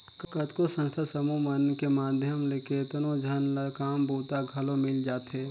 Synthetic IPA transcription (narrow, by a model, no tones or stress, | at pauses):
kət̪kosə̃nst̪ʰasəmumənkemaːd̪ʱjəmleːket̪ənod͡ʒʱənlakaːmboːt̪aɡʱɐlomɪld͡ʒaːt̪ɦɛː